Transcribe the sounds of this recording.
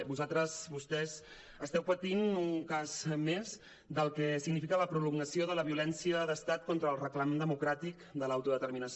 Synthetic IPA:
buzalˠt̪ɾəzβust̪ɛz | əst̪ɛwpət̪inuŋkazmez | d̪əlˠkɛsiɡnifikələpɾuluŋɡəsioðələβiulɛnsiəðəst̪at̪̚kɔnt̪ɾəːlˠrəklamnd̪əmukɾat̪ikd̪əlawt̪uðət̪əɾminəs

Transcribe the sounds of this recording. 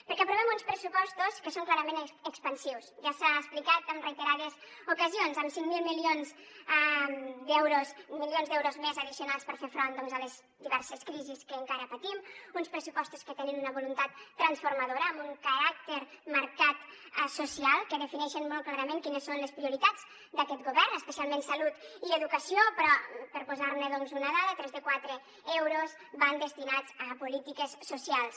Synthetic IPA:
pəɾkɛpɾuβ̞ɛmunspɾəsupɔst̪uskəsoŋklaɾəmẽnəkspənsiwsʒasaəsplikat̪əmrəit̪əɾaðəzukəzionzəmsiŋmilˠmilionz | d̪ɛwɾosmilionzðɛwɾozmezəðisiunalˠspəɾfefɾond̪ɔnzələz | d̪iβɛɾsəskɾiziskəːŋkaɾəpət̪imunspɾəsupɔst̪uskət̪ɛninunəβulunt̪at̪ːɾənsfuɾmaðoɾəːmbuŋkəɾak̚t̪eɾməɾkat̪susialˠkəðəfinɛʃənmɔl̚ˠklaɾəmeŋkinəsːonləspɾiuɾit̪ad͡z | d̪əkɛt̪ɡuβɛrnəspəsialˠmensalut̪iəðukəsiopɾɔpəɾpuzaɾnəðɔnzunəðaðət̪ɾɛzðəkwat̪ɾə | ɛwɾoz | βand̪əst̪inad͡zəpulit̪ikəsːusialˠs

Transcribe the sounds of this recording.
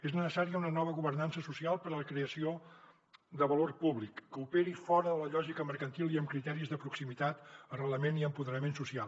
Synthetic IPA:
eznəsəsaɾiəunənɔβ̞əɣuβərnansəsusialˠpəɾələkɾeəsio | d̪əβəlorpuβlikːəupeɾifɔɾəðələʎɔʒikəməɾkənt̪ilˠiəmkɾit̪ɛɾizðəpɾuksimit̪at̪ərələmeniəmpuðəɾəmensusialˠ

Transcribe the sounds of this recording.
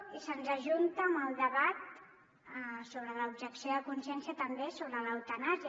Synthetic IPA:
isənzəʒunt̪əːməlˠd̪əβat̪̚ | soβɾələubʒəksijoðəkunsjɛnsiət̪əmbesoβɾələwt̪ənazə

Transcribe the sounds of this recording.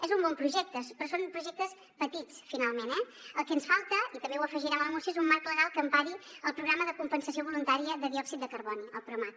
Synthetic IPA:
ɛzumbɔmpɾuʒɛk̚t̪əspɾɔsonpɾuʒɛk̚t̪əs | pət̪it͡sfinalˠmenɛ | əlˠkɛənsfalˠt̪əit̪əmbewəfəʒiɾɛmələmusioɛzumːaɾkləɣalˠkəmpaɾiəlˠpɾuɣɾaməðəkumpənsəsioβulunt̪aɾiəðəðiɔksit̪̚d̪əkəɾβɔniəlˠpɾuomat̪̚

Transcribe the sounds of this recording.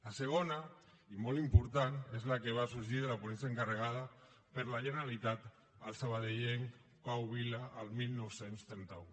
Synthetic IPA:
lasəɣ̞ona | imɔlimpuɾt̪anezlakeβ̞asuɾʒiðəlapunɛnsiəŋkarəɣ̞að̞a | pəɾlaʒəneɾalit̪at̪ | əlˠsaβaðeʎeŋ | pawβilaʔːlˠmilˠnowsenst̪ɾɛnt̪au

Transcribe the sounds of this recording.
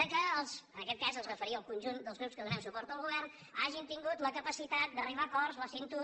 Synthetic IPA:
əkəəlˠzənəkɛt̪̚kazəlˠzrəfəɾiəlˠkunʲʒund̪əlˠzɣɾupskəðunɛms̬upɔɾt̪uəlɣuβɛrn | aʒint̪iŋɡut̪ləkəpəsit̪at̪̚d̪əriβakɔrzləsent̪u

